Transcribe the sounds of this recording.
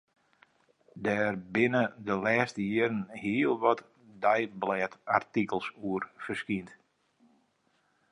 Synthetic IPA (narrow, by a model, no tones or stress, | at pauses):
dɛːrbɪnədəlɛːstəjɪəɾənhiəlˠʋɔt | dɛjblɛːtartikəlˠsuərfərskint